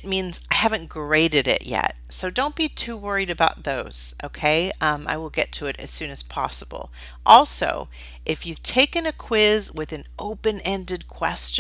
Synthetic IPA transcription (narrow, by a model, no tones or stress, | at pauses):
t̚mĩnzaɪhævɨ̃nɡ̥ɹeɪɾɨɾɪ̰ʔjɛ̰t̚soʊdõʊ̃nb̥itʰʉuwɜ˞iɾɨbaʊt̪̚ðoʊz̥ʔoʊkʰeɪʌ̃ma̰ɪwəlˠɡɛtʰɨɨɾɨ̰z̥sʉ̃nɨz̥pʰɑ̰səbl̩ˠ | ʔɔlˠso̰ʊ | ʔɨfjʉv̥tʰeɪkɨ̃nɨkʰw̥ɪzwɪðɨ̃noʊpɨ̃nɛ̃ndɨd̚kʰw̥ɛst͡ʃ